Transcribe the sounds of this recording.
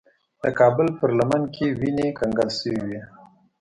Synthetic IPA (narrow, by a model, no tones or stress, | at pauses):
d̪̥əkɑbəlpəɾlamankʰewinekaŋɡalsəwiwi